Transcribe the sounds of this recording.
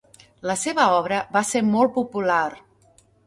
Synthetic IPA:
ləseβəɔβ̞ɾəβaseɾmɔlˠpupulaɾ

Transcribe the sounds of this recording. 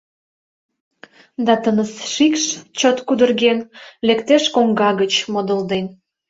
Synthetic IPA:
d̪ɑt̪ənəsʃikʃt͡ɕot̪kud̪ərɣenlekt̪eʃkoŋɡɑɣət͡ɕmod̪ə̆ld̪en

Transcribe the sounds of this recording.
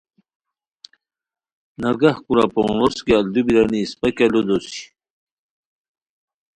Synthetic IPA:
nɐɾɡahkuɾa̰pooskeald̪ubiɾaniːspakelod̪osi̥

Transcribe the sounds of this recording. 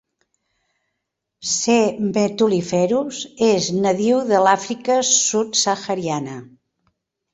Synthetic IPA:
semet̪ulifɛɾuzeznəðiwðəlafɾikəsut̪səxəɾianə

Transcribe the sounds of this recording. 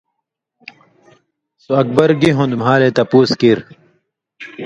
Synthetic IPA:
suɐk̚bɐɾɡiɦũnd̪umɦaːlet̪ɐpuːskiɾ

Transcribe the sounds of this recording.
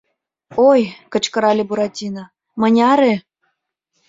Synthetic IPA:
ojkɤ̆t͡ɕkɤ̆ɾɑlʲebuɾɑtʲinɑ | mɤ̆nʲɑɾe

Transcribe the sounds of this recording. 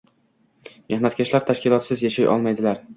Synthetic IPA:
mehnat̪kʲʰaʃlaɾt̪ʰaʃkʲɪlˠɒt̪sɪzjaʃajʔɒ̰lˠmajd̪ɪlaɾ

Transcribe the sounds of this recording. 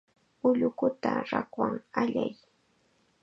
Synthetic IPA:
ʊʎʊkʊt̪aɾakwaŋaʎaj

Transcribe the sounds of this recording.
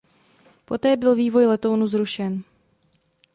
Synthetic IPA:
po̞t̪ɛːbɪlviːvo̞jlɛt̪o̞wnuzɾuʃɛn

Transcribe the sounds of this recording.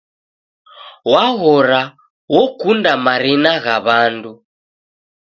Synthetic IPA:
waɣɔɾa | wɔkundamaɾinaɣaβandu

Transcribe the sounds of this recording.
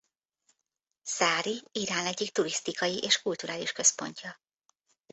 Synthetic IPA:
saːɾiiɾaːnɛɟːikt̪uɾist̪ikɒjiʔeːʃkult̪uɾaːliʃkø̞spo̞̰ɲcɒ

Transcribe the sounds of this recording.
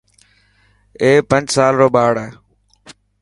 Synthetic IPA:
eːpə̃nd͡ʒsaːlɾoːɓaːɽɛː

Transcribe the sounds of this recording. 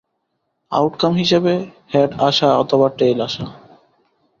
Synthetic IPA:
a̰wʈkamɦiʃebehɛɖaʃaɔt̪ʰoβaʈejlaʃa

